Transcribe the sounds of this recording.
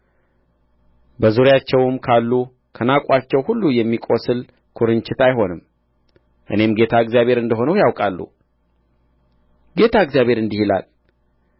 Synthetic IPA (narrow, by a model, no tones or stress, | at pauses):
bəzuɾjat͡ʃːɛwmkʰalːu | kʰənakʼat͡ʃːɛwhulːujɛmːikʼosɨl | kʰuɾɨnt͡ʃɪt̪ajɦo̞nɨm | ʔɨne̞mɡe̞t̪ʰaɨɡzjaβʱe̞ɾɨnd̪əɦo̞nəwjawkʼalːṵ | ɡe̞t̪ʰaɨɡzjaβhe̞ɾɨnd̪ihila̰l